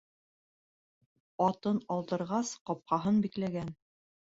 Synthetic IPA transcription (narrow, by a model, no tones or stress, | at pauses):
ɑt̪ɤnɑlˠd̪ɤ̆ɾʁɑsqɒp̚qɑɦɤnbiklæɡæn